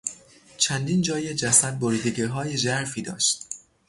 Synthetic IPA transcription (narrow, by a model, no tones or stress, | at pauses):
t͡ʃʰænd̪iːnd͡ʒɒːjed͡ʒæsæd̪̚boɾiːd̪eɡeɦɒːjed͡ʒæɾfiːd̪ɒ̰ːʃt̪̚